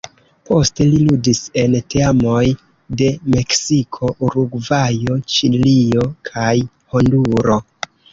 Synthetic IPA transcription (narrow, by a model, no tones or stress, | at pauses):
po̞ste̞liludise̞nteamo̞j | de̞me̞ksikʰo̞ʔuɾuɡvajo̞t͡ʃilio̞kʰaj | honduɾo̞